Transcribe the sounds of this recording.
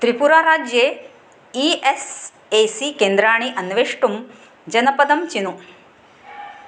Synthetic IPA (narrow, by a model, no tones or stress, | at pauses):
t̪ɾipuɾaːɾaːd͡ʒjeː | ies | eːsikeːnd̪ɾaːɳ̃iʔɐnʋeːʂʈum | d͡ʒɐnɐpɐd̪ɐmt͡ʃinu